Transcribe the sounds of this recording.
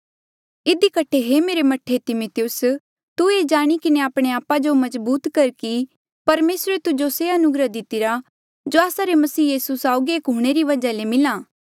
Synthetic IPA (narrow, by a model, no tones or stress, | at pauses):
ɪd̪ikɐʈʰeɦemeːɾemɐʈʰet̪ɪmot̪ɪjʊs | t̪ueːd͡ʒaːɽ̃ikɪneaːpɽ̃eaːpad͡ʒomɐzbuːt̪kɐɾki | pɐɾmeːsɾet̪ʊd͡ʒoseɐnʊɡɾəd̪ɪt̪ːɪɾa | d͡ʒoːaːsaɾemɐsiːjiːsusaːʊɡieːkɦʊɽ̃eɾiʋɐd͡ʒalemɪlaː